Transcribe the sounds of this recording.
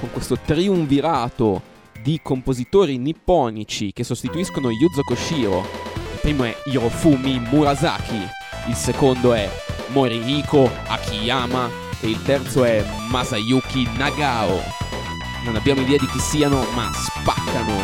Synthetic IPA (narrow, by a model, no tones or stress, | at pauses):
koŋkwest̪ot̪ɾiuɱviɾaːt̪o | d̪ikompozit̪oːɾinipːɔːnit͡ʃik̟esːost̪it̪uiskonojud̪zokoʃiːɾo̰ilpɾiːmoɛiɾofumimuɾaza̰ːk̟ʰi | ilsekond̪oɛ | moɾiɾiːkʰoa̰k̟ʰːiaːma | eilt̪ɛrt̪soɛ | mazajuk̟inaɡaːo̰ | nonabjaːmoid̪ɛːad̪ik̟isiːanomas | pakːano